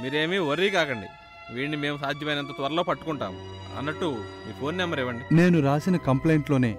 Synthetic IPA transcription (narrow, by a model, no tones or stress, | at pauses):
miːɾeːmiʋɐɾːiːkaːkɐɳɖḭ | ʋiːɳnime̞ːmusaːd̪ʱjɐmɐjnɐnt̪̬ɐt̪ʋɐɾɐlo̞ːpɐʈːu̥kuɳʈa̰ːmuɐ̰nːɐʈːumiːpʰoːnnɛmːɐɾɛːʋɐɳɖine̞ːnuɾaːsinɐkɐmple̞ːɳʈlo̞ːne̞ː